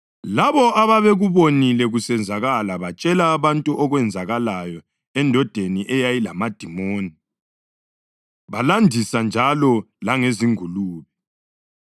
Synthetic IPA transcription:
laβɔʔaβaβeɣuβonilɛɣusɛnd͡zʱaɣalaβat͡ʃʼɛlaːβantʼuʔɔɣwɛnd͡zʱaɣalajɔ | ɛndʱɔd̥ʱeniʔɛjajilamad̥ʱimoːni | βalandʱisand͡ʒʱalɔ | laŋeziŋuluːβɛ

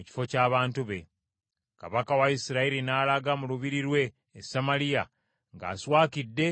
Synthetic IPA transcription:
muci̥fo̞caːβaːntuβe̞ | ka̰βakawaisiɾaiɾinaːlaɡamuluβiɾiɾwe̞ː | sːamalija | ŋɡa̰ːswaːkidːe̞

